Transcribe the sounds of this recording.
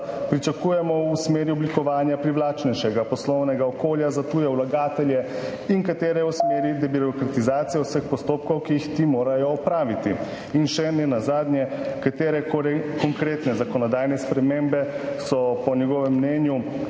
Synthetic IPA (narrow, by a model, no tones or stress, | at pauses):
pɾit͡ʃakujɛmɔusmeːɾjuɔblikɔʋaːnjapɾiʋlaːt͡ʃnɛjʃɛɡapɔslɔwnɛɡaɔkoːljazat̪uːjɛwlaɡaːt̪ɛljɛ | iŋkat̪eːɾɛusmeːɾjid̪ɛbiɾɔkɾat̪izaːt̪sijɛwsəxpɔst̪oːp̚kɔwkijixt̪imoːɾajɔːpɾaːʋit̪i | inʃɛnɛnazaːd̪njɛkat̪eːɾɛkɔŋkɾeːt̪nɛzakɔnɔd̪aːjnɛspɾɛmembɛsɔpɔnjɛɡɔːʋɛmːnɛːnju